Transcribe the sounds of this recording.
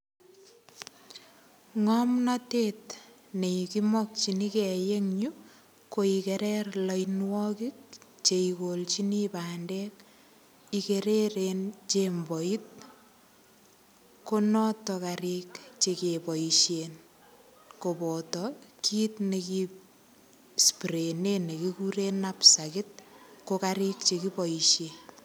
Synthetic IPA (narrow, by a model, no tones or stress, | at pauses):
ŋɔmnatet | nekimɔk̚t͡ʃinikɛjeŋɲu | koikeɾɛrlɔjnwɔkik̚ | t͡ʃeikolt͡ʃinipaːndɛk | ikeɾeɾent͡ʃembɔit̚ | konɔtɔkaɾikt͡ʃekepɔiʃen | kopɔtɔkʰiːtneki | spɾenenekikuɾenapsakɪt̚kokaɾik̚t͡ʃekipɔiʃe